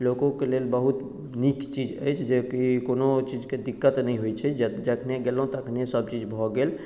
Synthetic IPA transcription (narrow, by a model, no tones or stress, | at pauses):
lokõkelelbəɦut̪ | nikt͡ʃid͡ʒə̰jt͡ʃʰd͡ʒekikonot͡ʃid͡ʒked̪ikːət̪nəj̃ɦojt͡ʃʰɛd͡ʒ̪d͡ʒəkʰneɡelɦũt̪kʰnesəb̚t͡ʃid͡ʒbʱɔɡel